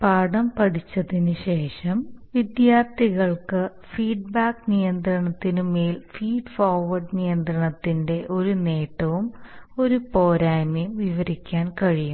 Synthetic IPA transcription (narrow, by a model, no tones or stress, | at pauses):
paːɽɐmpɐʈʰit͡ɕːɐðinɨɕe̞ːʂɐmʋid̪jaːrt̪iɣɐɭkɨ | fiːɖ̚baːknijɐnd̪rɐɳɐt̪ːinume̞ːlfiːɖfoːrʋɐrɖnijɐnd̪rɐɳɐt̪ːinde̞ʔo̞ɾune̞ːʈːɐʋumo̞ɾupo̞ːɾaːjmijmʋiʋɐɾikʲːaːnkɐɻijum